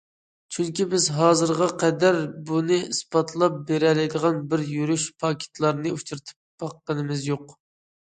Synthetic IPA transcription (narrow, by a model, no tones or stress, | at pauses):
t͡ʃʰyŋkʲibɪzɦɑːzɨɾʁɑqʰɛd̪æɾbunɨispɑt̪ʰlˠɑp̚beɾɛlɪjd̪əʁɑnbɪɾjyɾyʃpʰɑkʲʰe̥t̪ʰlˠɑɾnɨut͡ʃʰuɾt̪ʰɨ̥p̚b̥ɑqːənɨmɪzjoq